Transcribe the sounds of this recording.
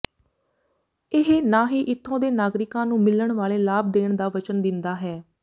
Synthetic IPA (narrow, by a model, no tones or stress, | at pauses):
ɪɦenaːɦiːʔɪt̪ʰːõːd̪eːnaːɡɾɪkãːnũːmɪləɳʋaːleːlaːb̚d̪eːɳd̪aːʋət͡ʃənd̪ɪnd̪aːɦɛː